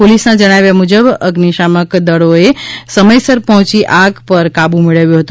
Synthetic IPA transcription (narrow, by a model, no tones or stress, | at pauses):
polisnãd͡ʒəɽ̃aʋjamud͡ʒəbəɡniʃaməkd̪əɽoesəməjsəɾpəɦʊ̃t͡ʃiʔaɡpəɾkabũmiɭəʋjũɦət̪u